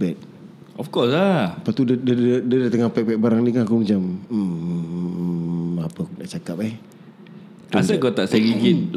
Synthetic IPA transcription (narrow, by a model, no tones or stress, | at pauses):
bɛt̪̚ | ɔfkɔsapat̪uddaədadat̪əŋapɛk̚pɛk̚baɾaŋnikanakumat͡ʃam̩ | apəkudaʔt͡ʃakap̚ɛh | tasəɡot̪aʔsaɡiɡin